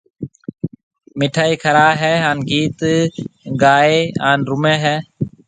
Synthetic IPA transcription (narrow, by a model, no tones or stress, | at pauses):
mɪʈʰaːiːkʰəɾaːɦɛːɦaːnɡiːt̪ | ɡaːeːaːnɾʊmeːɦɛː